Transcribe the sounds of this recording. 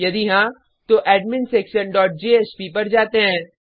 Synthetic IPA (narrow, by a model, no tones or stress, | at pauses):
jɐd̪iɦã | t̪oʔɛːɖmɪnsʈɾeːkʃənɖɔːʈ̚d͡ʒeːeːspipɐɾd͡ʒaːt̪eɦɛ̃ː